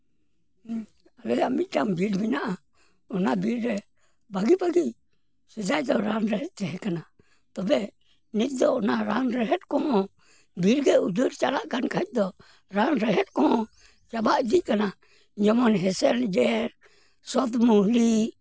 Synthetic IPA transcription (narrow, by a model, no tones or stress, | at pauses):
alɛjamit̪̚ˀʈambiɾminaʔa | ɔnabiɾɾɛ | baɡibaɡi | sɛd͡ʒajd̪ɔɾanɾɛɦɛt̪̚t͡ʃɛɦɛkana | t̪ɔbɛ | nit̪̚d̪ɔɔnaɾanɾɛɦɛt̪̚kɔɦɔ̃ | biɾɡɛud͡ʒuɾt͡ʃalaʔkankaɛc̚ˀd̪ɔ | ɾanɾɛɦɛt̪̚kɔhɔ̃ | t͡ʃabaʔd̪ic̚kana | d͡ʒɔmɔnɦɛsɛld͡ʒɛɾ | sɔt̪muli